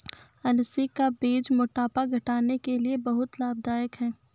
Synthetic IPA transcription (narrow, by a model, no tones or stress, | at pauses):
ɐlsikabeːd͡ʒmʊʈaːpaɡʱɐʈaːnekeliebɐɦʊt̪laːb̚d̪aːjəkɦɛː